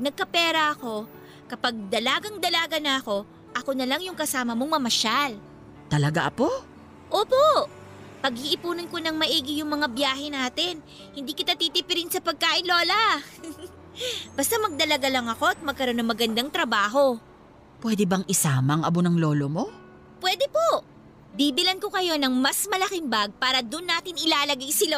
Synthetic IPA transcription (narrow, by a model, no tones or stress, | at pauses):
nɐɡ̚kɐpɛːɾɐʔɐko̞ | kɐpaɡ̚d̪ɐlaːɡɐŋd̪ɐlaːɡɐnɐɐko̞ | ʔɐko̞nɐlɐŋjʊŋkɐsaːmɐmo̞ŋmɐmɐʃal | t̪ɐlɐɡa̰ʔɐpo̞ | ʔoːpo̞ | pɐɡhiʔɪpuːnɐnko̞nɐŋmɐʔiːɡɪjʊŋmɐŋabjaːɦɛnaːt̪ɪn | hɪnd̪iːkɪt̪at̪iːt̪iːpɪɾɪnsɐpɐɡ̚kaːʔɪnlo̞ːlɐ | b̥ɐst̪amɐɡ̚d̪ɐlɐɡalɐŋɐko̞ɐt̪̚mɐɡ̚kːɐɾo̞nɐŋmɐɡɐnd̪aŋt̪ɾɐbaːɦo̞ | pwɛːd̪ɛbɐŋɪsaːmɐŋʔɐ̰bonɐŋlo̞ːlomo̞ | pwɛːd̪ɛpo̞ʔ | b̪iːbɪlɐnko̞kɐjo̞nɐŋmɐsmɐlɐkɪmbaɡ̚paːɾɐd̪ʊnːaːt̪ɪnɪlaːlɐɡajsɪlo